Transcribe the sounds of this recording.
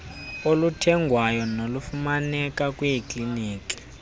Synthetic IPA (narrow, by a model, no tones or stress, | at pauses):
olutʰɛŋɡʱwajɔnolufumanɛkakʼwɛikʼliniːki̥